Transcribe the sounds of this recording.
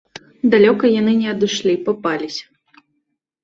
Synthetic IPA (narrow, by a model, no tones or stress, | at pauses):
d̪alʲɔkɐjanɨnʲɛɐd̪ɨʂlʲipapalʲisʲɐ̥